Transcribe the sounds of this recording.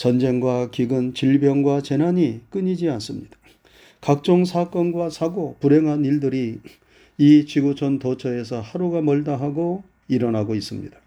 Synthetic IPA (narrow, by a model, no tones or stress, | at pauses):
t͡ɕʌnd͡ʑe̞ŋɡwakiɡɯnt͡ɕiɭbjʌŋɡwat͡ɕe̞naɲik͈ɯɲid͡ʑians͈ɯmɲid̥ḁ | kak̚t͡ɕ͈oŋsʰak͈ʌnɡwasʰaɡopuɾe̞ŋɦaniɭdɯɾi | it͡ɕiɡut͡ɕʰʌntʌt͡ɕʰʌe̞sʰʌhaɾuɡamʌɭdaɦaɡo | iɾʌnɦaɡois͈ɯmɲḭd̥a